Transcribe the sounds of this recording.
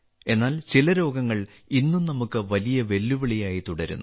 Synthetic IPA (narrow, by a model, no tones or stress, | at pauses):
e̞nːaːlt͡ɕilɐɾo̞ːɡɐŋːɐɭ | inːumnɐmukːɨʋɐlijɐʋe̞lːuʋiɭijaːjit̪uɽɐɾṵnː